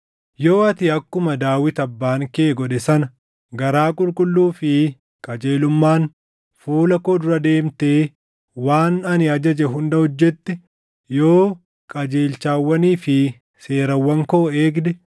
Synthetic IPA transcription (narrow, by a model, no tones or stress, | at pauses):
jo̞ːɐt̪ɪɐkːʊmɐd̪aːwɪt̪ɐbːaːŋkeːɡɔᶑɛsɐnɐ | ɡɐɾaːkʼʊlkʼʊlːuːfɪ | kʼɐd͡ʒe̞ːlʊmːaːn | fuːlɐkoːd̪ʊɾɐd̪e̞ːmt̪eː | waːnɐnɪɐd͡ʒɐd͡ʒɛɦʊnd̪ɐhɔd͡ʒːɛt̪ːɛ | jo̞ː | kʼɐd͡ʒe̞ːlt͡ʃaːwːɐniːfɪ | se̞ːɾɐwːɐŋkoːeːɡd̪ɛ